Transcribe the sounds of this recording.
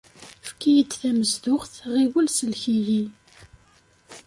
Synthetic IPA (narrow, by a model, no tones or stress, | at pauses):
fkːijəd̪θæməzd̪ʊχθʁiwəlsəlçiʝi